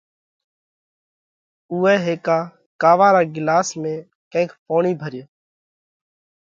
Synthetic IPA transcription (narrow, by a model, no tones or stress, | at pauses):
uːɛːɦeːkaː | kaːʋãːɾaːɡɪlaːsmẽː | kɛ̃ːkʰpoːɳiːbʱəɾɪjeː